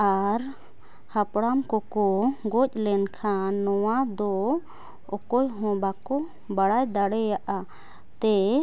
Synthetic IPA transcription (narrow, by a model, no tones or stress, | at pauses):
aɾ | hapɽamkɔkɔɡɔc̚ˀlɛnkʰanːɔwad̪ɔ | ɔkɔjɦɔ̃bakɔ | baɽajd̪aɽɛjaʔa | t̪ɛ